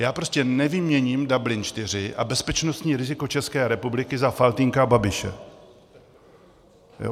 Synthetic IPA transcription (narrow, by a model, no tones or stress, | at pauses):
jaːpɾoscɛnɛvɪmɲɛɲiːmdablɪnt͡ʃt̪ɪr̝ɪʔa̰bɛspɛt͡ʃnost̪ɲiːɾɪzɪko̞t͡ʃɛskɛːɾɛpublɪkɪzafalt̪ɪŋkababɪʃɛ̰ | jo̰